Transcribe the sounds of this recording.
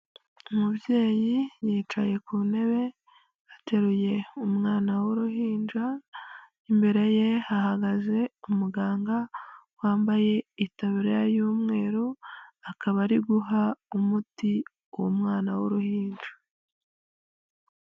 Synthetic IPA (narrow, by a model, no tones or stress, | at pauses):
umubje̞ːjijiːt͡ʃaje̞kune̞βe̞ | ate̞ɾuje̞umŋaːnawoɾuɦiːnd͡ʒa | imbe̞ɾe̞je̞haɦaɡaze̞umuɡaːŋɡawaːmbaje̞itaβiɾejajuːmŋe̞ːɾoakaβaɾiɡuɦaumuti | womŋaːnawoɾuhiːnʒa